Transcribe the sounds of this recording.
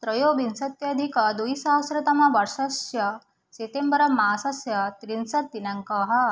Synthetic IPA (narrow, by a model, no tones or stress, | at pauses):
t̪ɾɐjobinsɐt̪jɐd̪ʱikɐd̪ujsaɦɐsɾɐt̪ɐmɐʋɐɾʂɐsjɐ | set̪embəɾɐmasɐsjɐt̪ɾinsɐt̪ːinãŋkɐɦɐ